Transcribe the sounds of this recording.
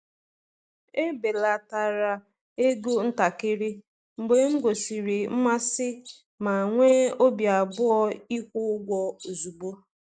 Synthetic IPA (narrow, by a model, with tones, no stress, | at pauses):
e˦be˨la˨ta˨ɾa˨ | e˦ɡo˦n̩˦ta˨kɪ˦ɾɪ˦ | ŋ͡m̩˨ɡ͡be˨˦ŋ̩˦ɡo˨si˨ɾi˨m̩˦ma˦sɪ˦ | ma˨ŋʷe˦o˦bja˨bʊ˦ɔ˦i˦kʷʊ˦ɡʷɔ˦o˨zu˨ɡ͡bo˦